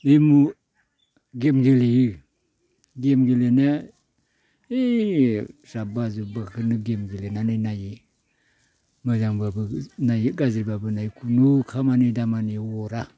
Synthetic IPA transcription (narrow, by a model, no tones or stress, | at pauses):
emu | ɡemɡelijɯ | ɡemɡelena | e | sabazubakʰɯnɯɡemɡelenananaji | mɯzaŋbabɯnajiɡaziɾbabɯnajkʰunukʰamanidamaniwɔɾa